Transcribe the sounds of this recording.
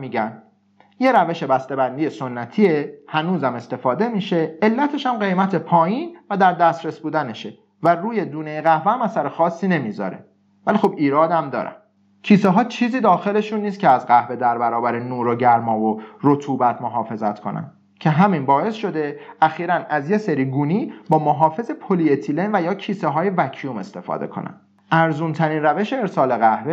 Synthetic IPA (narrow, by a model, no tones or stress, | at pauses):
miːɟæn | je̞ɾæve̞ʃe̞bæst̪e̞bænd̪iːjesonːæt̪ʰiehænuːzæme̞st̪e̞fɒːd̪e̞miːʃe̞ːlːæt̪ʰe̞ʃæmɢe̞jmæt̪ʰepʰɒːjiːnvæd̪æɾd̪æst̪ɾesbuːd̪æne̞ʃe̞ | væruːje̞d̪uːnejeɣæhvææmæsæɾexɒːsːiːne̞mizɒ̰ːɾḛ | vælixobiːɾɒːd̪æmd̪ɒ̰ːɾæ̰n | cʰiːseɦɒːt͡ʃʰiːziːd̪ɒːxe̞le̞ʃunːiːst̪̚cʰeæzɢæhve̞d̪æɾbæɾɒːbæɾenuːɾoɟæɾmɒːvoɾot̪ʰuːbæt̪ʰmoɦɒːfe̞zæt̪ʰkʰo̞̰næ̰n | cʰe̞ɦæminbɒːe̞sʃo̞d̪e̞ʔæxiːɾænæzje̞seɾiːɡuːniːbɒːmoɦɒːfe̞ze̞pʰoliet̪ʰilenvæjɒːcʰiːseɦɒːje̞væcʰijume̞st̪e̞fɒ̰ːd̪e̞̰kʰo̞̰næ̰n̥ | ʔæɾzuːnt̪ʰæɾiːnræve̞ʃeːɾsɒːle̞ɣæhve